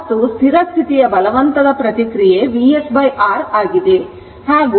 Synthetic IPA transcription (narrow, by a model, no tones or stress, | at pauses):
t̪ust̪ʰiɾɐst̪ʰit̪ijɐbɐlɐʋɐnt̪ɐd̪ɐpɾɐt̪ikɾijeʋiesbɐjaːɾaːɡid̪e | haːɡ